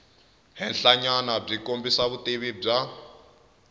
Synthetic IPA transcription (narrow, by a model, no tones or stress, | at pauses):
ɦɛnɬaɲanab͡ʐikombisaβuteβib͡ʐa